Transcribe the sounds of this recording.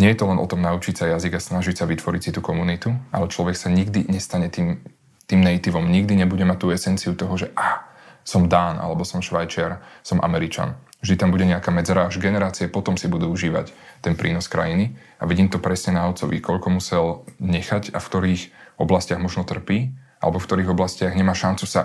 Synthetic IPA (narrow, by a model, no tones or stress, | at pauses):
ɲɪɛjɛt̪ɔlɛnʔɔ̰t̪ɔmnaut͡ʃicsajaziɡasnaʒicsaʋit̪ʋɔɾisit̪ukɔmunit̪ua̰lɛt͡ʃlɔʋɛksaɲiɡd̪iɲɛst̪aɲɛt̪iːm | t̪iːmnɛit̪iʋɔmɲiɡd̪iɲɛbuɟɛmac̚t̪ːuːɛsɛnt͡siut̪ɔɦɔʒɛʔa | sɔmd̪aːnʔa̰lɛbɔsɔmʃʋajt͡ʃɛɾsɔmʔa̰mɛɾit͡ʃa̰n | vʒd̪it̪ambuɟɛɲɛakaːmɛd͡zɛɾaaʒɡɛnɛɾaːt͡siapɔt̪ɔmsibud̪uuʒiːʋa̰ct̪ɛnpɾʔḭːnɔskɾa̰jini | aʋiɟiːmt̪ɔpɾɛsɲɛnaɔt͡sɔʋḭkɔʎkɔmusɛlɲɛxaca̰fkt̪ɔɾiːxʔɔblascɪaɣmɔʒnɔt̪r̩piːʔa̰lɛbɔfkt̪ɔɾiːɣɔblascɪaɣɲɛmaːʃant͡susa